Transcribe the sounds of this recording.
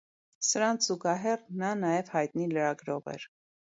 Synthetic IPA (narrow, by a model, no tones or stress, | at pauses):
səɾɑnz̥uɡɑɦɛrnɑnɑjɛvhɑjt̪niləɾɑɡɾɔvɛ̰ɾ